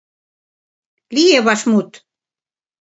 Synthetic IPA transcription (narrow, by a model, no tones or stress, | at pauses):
lijeβɑʃmut̪